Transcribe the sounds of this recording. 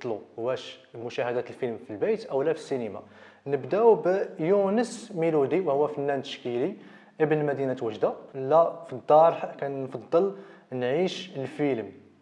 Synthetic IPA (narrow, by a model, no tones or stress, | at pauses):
t̪ˤluwæʃmʊʃæhæd̪æt̪əlfilmfilbæjt̪ʔəwlæfə̥sːinəma̰ | nəbd̪æwbjunəsmilud̪iwhʊwːæfənːænt̪ə̥ʃkili | ʔəbənlmæd̪inæt̪wəʒd̪alːæfid̪ːɑɾˤħkænnfɑd̪ˤːəlnʕiʃəlfilm